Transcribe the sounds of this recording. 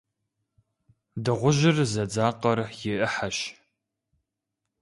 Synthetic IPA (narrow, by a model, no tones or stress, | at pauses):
dɨʁʷʊʒɪrzɐd͡zaːqɐrjɪʔəħaʃ